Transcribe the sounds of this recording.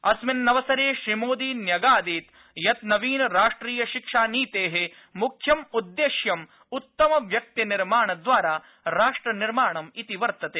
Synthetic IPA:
ɐsmɐnːɐʋɐsɐɾeːʃɾimoːd̪iːnjɐɡaːd̪iːt̪ | jɐt̪nɐʋiːnɾaːʂʈɾiːjɐʃikʂaːniːt̪eːɦe | mukʰjɐmud̪ːeːʃjɐm | ut̪ːɐmɐʋjɐk̚t̪iniɾmaːɳɐd̪ʋaːɾaː | ɾaːʂʈɾɐniɾmaːɳɐmit̪iʋɐɾt̪ɐt̪eː

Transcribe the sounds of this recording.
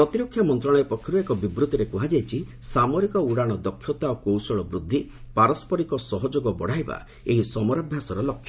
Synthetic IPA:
ppɾɔt̪iɾokʰjamɔnt̪ɾɔɽ̃ɔepɔkʰjɔɾuekɔbibɾut̪ɔɾekuɦad͡ʒajt͡ʃʰisamɔɾikɔuɽaɽ̃ɔd̪ɔkʰːjɔt̪aokowsɔɭɔbɾud̪ʱːipaɾɔspɔɾikɔsɔɦɔd͡ʒoɡɔbɔɽ̤ajba̰ | eɦisɔmɔɾɔbʱjasɔɾɔlɔkʰjɔ

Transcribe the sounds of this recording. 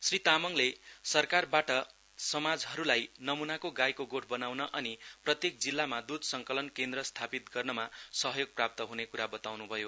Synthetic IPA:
srit̪amʌŋlesʌrkarbaʈʌ | sʌmad͡zɦʌɾulajnʌmunakoɡajkoɡoʈʰbʌnawnʌʔʌniprʌt̪jek̚d͡zilːamad̪ud̪ʱsʌŋkʌlʌnkend̪rʌst̪ʰapit̪̚ɡʌrnʌmasʌɦʌjoɡ̚prap̚t̪ʌɦunekuɾabʌt̪awnubʱʌjo

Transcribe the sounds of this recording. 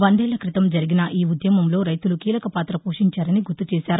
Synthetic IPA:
ʋɐnd̪ɛːlɐkɾit̪ɐmd͡ʒɐɾiɡinɐʔiːud̪jɐmɐmlo̞ːɾɐjt̪ulukiːlɐkɐpaːt̪ɾɐpuːʂiɲt͡ʃaːɾɐniɡut̪ːut͡ʃɛːsaːɾu

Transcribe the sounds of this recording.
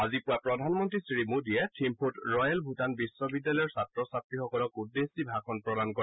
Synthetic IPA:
azipʊapɹɔdʱanmɔntɹisɹimudijɛtʰimpʰutɹɔjɛlbʱutanbisːɔbidːalɔjɔɹsatɹɔsatɹixɔkɔlɔkudːesibʱakʰɔnpɹɔdankɔ

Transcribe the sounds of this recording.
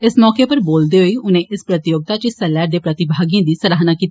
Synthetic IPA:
ɪsmɔːkeːpəɾboːld̪eːɦoiːʊnẽːʔɪspɾət̪ɪjoːɡ̚t̪aːt͡ʃəsɛːlɛːɾd̪eːpɾət̪ɪbʱaːɡijãːd̪iːsəɾaːɦnaːkiːt̪ː

